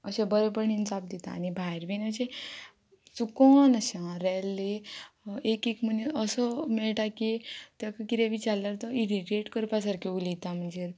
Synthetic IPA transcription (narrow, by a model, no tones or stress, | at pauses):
əɕẽbəɾepəɾninsap̚d̪it̪a̰ːnibʱajɾbinəsẽ | t͡sukɔnəɕãɾɛlːi | ekikm̤əneəsɔmeɭʈakit̪jakakiɾeʋit͡ɕallaɾt̪ɔiɾiʈeʈkəɾpasaɾkʰeulit̪am̤əɳd͡zeɾ